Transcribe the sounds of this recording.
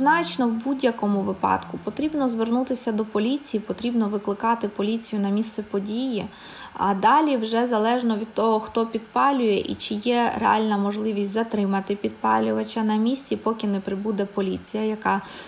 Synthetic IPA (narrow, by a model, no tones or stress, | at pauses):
znɑt͡ʃnɔwbudʲjɐkɔmʊʋɪpɑ̰d̪̥kʊpɔt̪ɾʲibnɔzʋernut̪ɪsʲɐd̪ɔpɔlʲit͡sʲijipɔt̪ɾʲibnɔʋɪklˠɪkɑt̪ɪpɔlʲit͡sʲijʊnɐmʲist̪sɛpɔdʲiji | ɐ̰d̪ɑlʲiwʒɛzɐlˠɛʒnɔʋʲid̪̚t̪ɔɦɔxt̪ɔpʲid̪pɑlʲʊjɛʔḭt͡ʃɪjɛɾḛɑ̰lʲnɐmɔʒlˠɪʋʲisʲtʲzɐt̪ɾɪmɐt̪ɪpʲid̪̚pɑ̰lʲʊʋɐt͡ʃɐnɐmʲisʲt͡sʲipɔkʲɪnɛpɾɪbud̪ɛpɔlʲit͡sʲijɐjɐkɑ